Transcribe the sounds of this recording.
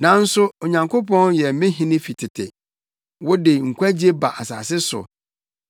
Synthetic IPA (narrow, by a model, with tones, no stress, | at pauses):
nã˨n̩˦sʊ˦o˨ɲã˨ŋkʰo˦pʰɔ̃˦njɛ˨mɪ̃˦ɦĩ˦nɪ̃˦fi˨tʰɪ˨tʰɪ̰˨ | wɔ˦dɪ˨ŋ̩˨kʷa˦d͡ʑi˦e˦ba˨ʔa˨sa̰ː˨sɪ˦sʊ̰˨